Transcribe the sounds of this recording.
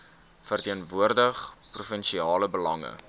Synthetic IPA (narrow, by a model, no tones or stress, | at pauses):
fərtiənvuərdəχprufənʃiɑːləbəlɐŋə̰